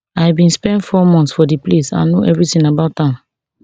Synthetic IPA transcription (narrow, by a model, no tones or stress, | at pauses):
ajbĩnspɛ̃ndfɔmɔ̃ntsfɔdiplesã̰nːoʔɛvɹitĩnabaʊtã